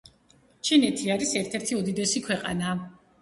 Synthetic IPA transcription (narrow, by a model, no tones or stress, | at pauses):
t͡ʃʰinɛt̪ʰiaɾisɛɾt̪ʰɛɾt̪ʰiud̪id̪ɛsikʰwɛqʼa̰na